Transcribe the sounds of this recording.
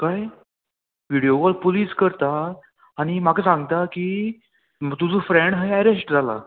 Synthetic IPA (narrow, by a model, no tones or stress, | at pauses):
kaj | ʋiɽijoʋɔlpuliːskəɾt̪aː | ɽ̃imakʰasãŋɡt̪aki | t̪ud͡zuːfɾeɳɖɦajɛɾesʈd͡zʱala̰